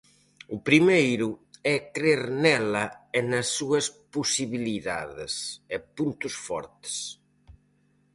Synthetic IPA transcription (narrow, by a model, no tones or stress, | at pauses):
ʊpɾimejɾʊɛkɾeɾnɛlɐenɐsːuɐspusiβiliða̰ðḛsɛpunt̪usfɔ̰ɾt̪e̥s